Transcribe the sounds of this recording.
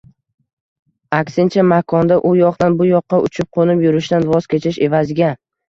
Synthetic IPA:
akʲsɪnt͡ʃʰamakʰɒnd̪aʔʊjɒqd̪anbʊjɒqːɑʊt͡ʃʰɪp̚qʰonɪpjʊɾɪʃd̪anvɒz̥kʲe̞t͡ʃʰɪʃe̞vazɪɡʲa

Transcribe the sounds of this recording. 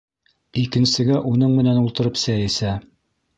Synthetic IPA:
ikɘ̆nsɘ̆ɡæʔunɤɴmɘ̆nænulˠt̪ɤ̆ɾɤpsæjɘ̆sæ

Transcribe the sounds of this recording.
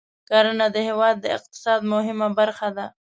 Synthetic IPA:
kaɾənad̪əhewɑd̪ːəɪ̰q̚t̪ɪ̥sɑd̪mʊɦɪmabaɾxad̪a

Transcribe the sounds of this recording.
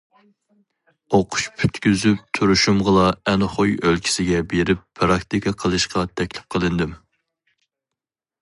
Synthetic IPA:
oqʰʊ̥ʃpʰy̥t̪kʲyzyp̚t̪ʰyɾyʃumʁəlˠɑɛnχojølkʲʰi̥sɪɡʲɛbeɾɪpːʰɾɑkt̪ikʰɑqʰəlˠɨʃqʰɑt̪ʰɛkʲlɪp̚qʰəlˠɨnd̪ɪm

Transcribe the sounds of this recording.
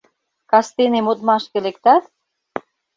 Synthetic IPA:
kɑst̪enemot̪mɑʃkĕlek̚t̪ɑt̪̚

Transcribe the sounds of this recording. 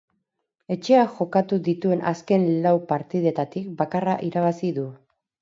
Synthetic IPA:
e̞t͡ʃe̞aʝo̞kat̪uðit̪ue̞nʔaske̞nlawpaɾt̪ið̞e̞t̪at̪ik̚bakaraʔiɾaβ̞asiðu

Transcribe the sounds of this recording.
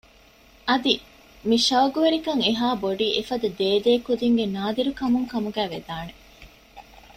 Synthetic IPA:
ɐd̪i | miʃɐwɡuʋeɾikɐŋeɦaːboɖiːʔefɐd̪ɐd̪eːd̪eːkud̪iŋɡenaːd̪iɾukɐmuŋkɐmuɡæːʋed̪aːne

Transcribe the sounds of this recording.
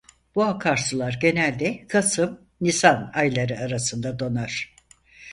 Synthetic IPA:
b̥uakʰaɾsɯlˠaɾɟe̞nælʲd̪ɛkʰasɯm | nisanajlˠaɾɯaɾasɯnd̪ad̪o̞naɾ̥

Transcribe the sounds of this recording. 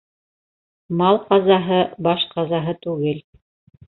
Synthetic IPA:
mɑlˠqɑzɑɦɤbɑʃqɑzɑɦɤt̪ʉɡɘl

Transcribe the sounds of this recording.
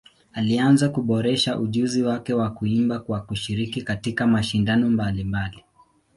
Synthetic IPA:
alianzakuɓɔɾɛʃaʔuʄuziwakɛwakuimbakwakuʃiɾikikatikamaʃindanɔmbalimbali

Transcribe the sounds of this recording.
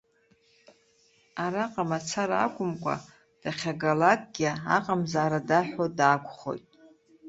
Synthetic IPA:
aɾaqʼamat͡sʰaɾaa̰kʷʼʊmkʷʼa̰ | d̥aχʲaɡalak̚ʼɡʲia̰qʼamzaːɾadaħʷᶣodaːkʷʰʼχo̞̰jtʼ

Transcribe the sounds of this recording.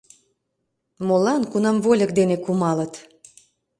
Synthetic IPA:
molɑnkunɑmβolʲək̚d̪enekumɑlət̪

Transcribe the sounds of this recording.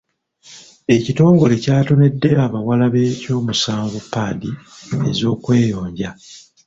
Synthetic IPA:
e̞cito̞ːŋɡo̞le̞caːto̞ne̞dːe̞aβawalaβe̞co̞ːmusaːŋɡupːaːdie̞̰zo̞ːkwe̞ːjo̞ːɲɟa

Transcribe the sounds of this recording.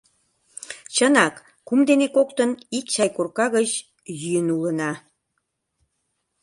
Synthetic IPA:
t͡ɕənɑkː | umd̪enekokt̪ənikɕɑjkurkɑɣət͡ɕ | jyjənulənɑ

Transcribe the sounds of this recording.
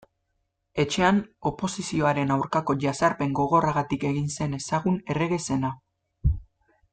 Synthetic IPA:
e̞t͡ʃe̞ano̞po̞sisio̞aɾe̞nawɾkako̞ʝasaɾpe̞ŋɡo̞ɣ̞o̞raɣat̪ike̞ɣinse̞ne̞saɣune̞re̞ɣe̞se̞na

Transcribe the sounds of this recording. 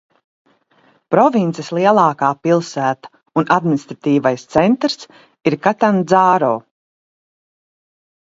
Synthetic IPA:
pɾɔvint̪sislˠiɛlˠɑːkaːpilˠsæːt̪ḁ | unad̪minist̪ɾat̪iːvajst̪sɛnt̪ɾs | iɾkat̪and̪zaːɾɔː

